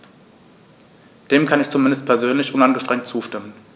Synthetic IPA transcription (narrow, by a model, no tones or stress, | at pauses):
d̥eːmkʰanɪçt͡sumɪndəst̚pʰɛɐzøːnlɪçʔʊnanɡəʃtʁ̥ɛŋtt͡suːʃtɪmən